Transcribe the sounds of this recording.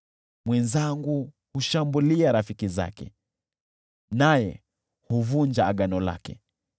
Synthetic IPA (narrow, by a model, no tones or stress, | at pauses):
mwɛnzaŋɡu | huʃambuliaɾafikiza̰kɛ̰ | najɛ̰ | huvund͡ʒaːɠanɔla̰kɛ̰